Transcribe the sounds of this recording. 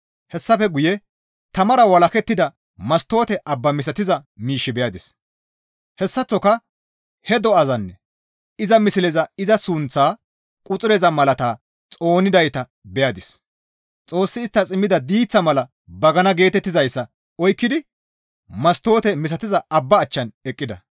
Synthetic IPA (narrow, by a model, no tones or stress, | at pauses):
hɛsːɐfɛɡʊjɛ | t̪ɐmɐɾɐwɐlɐkɛt̪ːɪd̪ɐ | mɐst̪o̞ːt̪ɛʔɐbːɐmɪs̬ɐt̪ɪzɐmiːʃːɪbɛjɐd̪ɪs | hɛsːɐt͡sːɔkɐ | hɛd̪ɔɐzɐnːɛ | ɪzɐmɪsɪlɛzɐɪzɐsʊnt͡sːaː | kʼʊt͡sʼʊɾɛzɐmɐlɐt̪aː | t͡sʼo̞ːnɪd̪ɐjt̪ɐ | bɛjɐd̪ɪs | t͡sʼo̞ːsːɪːst̪ːɐt͡sʼɪmːɪd̪ɐd̪iːt͡sːɐmɐlɐ | bɐɡɐnɐɡe̞ːt̪ɛt̪ːɪzɐjsːɐ | ɔjkːɪd̪ɪ | mɐst̪o̞ːt̪ɛmɪs̬ɐt̪ɪzɐɐbːɐːt͡ʃːɐnɛkʼːɪd̪ɐ